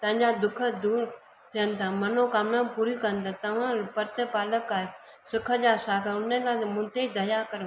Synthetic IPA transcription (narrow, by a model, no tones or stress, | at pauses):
t̪ɐ̃ɲd͡ʒaːd̪ʊkʰəd̪uː | t̪ʰɪənt̪ʰãːmənõːkaːmnãːpuːɾikəɾənt̪ãːt̪ɐʋ̤ãːpəɾt̪epaːləkaːe | sɪkʰəd͡ʒaːsaːkəʊnẽlaːmʊ̃nt̪eid̪əjaːkəɾ